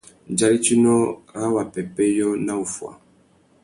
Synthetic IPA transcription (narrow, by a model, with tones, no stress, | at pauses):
n˨d͡ʒa˦ɾi˦t͡ʃi˦nɔ˦ɾa˦wa˨pɛ˨pɛ˦jɔ˦na˦u˨fwa̰˨